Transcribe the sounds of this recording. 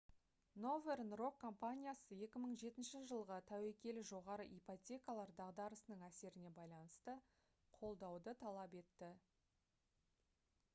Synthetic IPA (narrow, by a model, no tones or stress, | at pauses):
no̞ve̞rnro̞kːo̞mpanʲijasəe̞kʲɪməɴʒe̞t̪ɪnʃɪʒəlˠʁət̪ʰæwekʲe̞lɪʒo̞ʁɑɾəʔipotʲe̞kalˠɑɾd̪ɑʁd̪ɑɾəsənəɴæse̞ɾɪne̞bɑjlˠɑnəst̪ə | qʰo̞lˠd̪ɑwd̪ət̪ʰɑlˠɑpe̞t̪ːɪ